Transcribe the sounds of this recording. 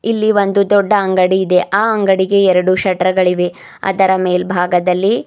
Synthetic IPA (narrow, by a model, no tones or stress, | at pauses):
ilːiʋo̞nd̪ud̪ɔɖːɐɐŋɡɐɽiːd̪e̞ʔaːɐŋɡɐɽiɡe̞ɛɾɐɽuʃɐʈɾɐɡɐɭiʋe̞ | ɐ̰d̪ɐɾɐmeːlbʱaːɡɐd̪ɐlːi